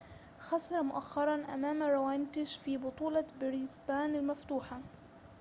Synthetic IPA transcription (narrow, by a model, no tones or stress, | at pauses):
xɑsɑɾˤɑmʊʔaxːɑɾˤɑnʔa̰maːmɾˤawaːnt̪ɪʃfiːbʊt̪ˤuːlɑbɪɾisbaːnalmaft̪uːħa